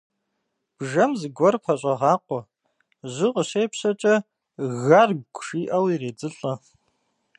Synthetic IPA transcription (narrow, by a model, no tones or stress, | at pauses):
b̥ʒɐmzɡʷɔrpʰɐɕʷʼɐʁaːqʷʼɔ | ʒʷɨqʷʼəʃejpɕɐt͡ʃʼɐ | ɣarɡ̚ʷɡʷʂiːʔɐwireːd͡zɨɬʼɐ